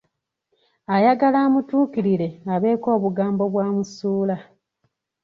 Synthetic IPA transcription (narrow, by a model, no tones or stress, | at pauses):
ajaɡalaːmutuːkiɾile̞aβe̞ːko̞ːβuɡaːmbo̞βwaːmusuːla